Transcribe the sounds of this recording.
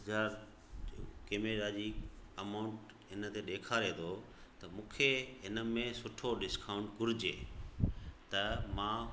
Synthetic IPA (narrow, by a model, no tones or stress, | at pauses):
zaːɾ | keːmeɾaːd͡ʑiːɐmaʊ̃ɳʈ | ɪnət̪eɗeːkʰaːɾeːt̪ʰo | t̪ɐmũːkʰeɦɪnə̆mẽsʊʈʰoɖɪskaːʊ̃ɳʈkʊɾɪd͡ʑḛː | t̪ɐmãː